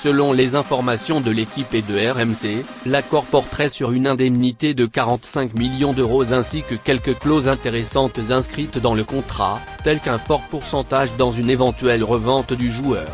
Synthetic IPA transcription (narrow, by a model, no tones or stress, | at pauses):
səlɔ̃lezɛ̃fɔʁmasjɔ̃d̪əlekʲiped̪əɛʁɛmse | lakɔʁpɔʁt̪χɛsyʁynɛ̃d̪ɛmnit̪ed̪əkaʁɑ̃t̪sɛ̃kmiljɔ̃d̪øʁozɛ̃sikəkʲɛlkəklozɛ̃t̪eʁesɑ̃t̪zɛ̃skχit̪d̪ɑ̃ləkɔ̃t̪χa̰ | t̪ɛlkɛ̃fɔʁpuʁsɑ̃t̪aʒd̪ɑ̃zynevɑ̃t̪ɥɛlʁəvɑ̃t̪d̪yʒuœːʁ